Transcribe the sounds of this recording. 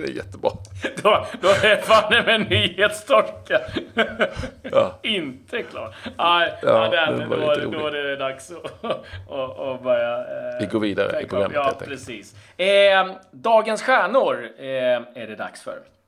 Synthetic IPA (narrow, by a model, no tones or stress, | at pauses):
ɛ̰jɛ̰t̪ːəbɾɑːd̪ɔd̪ɔɛfad̪ɛmɛnːyːheːt̪st̪ʰɔɾka | ɪnt̪ʰəkʰlɑ̰ːʈæɪd̪ɛ̰ɾɔadɾd̪ɔadɛd̪aksɔ | ɔbœɾjavɪɡoːɾviːd̪a̰ɾə̰ɪɾʊɡɾa̰mːɑːpːɾɛsiːs | d̪ɑːɡənsɧæːɳʊɾ | æɖɛd̪a̰ksfœ̰ɾ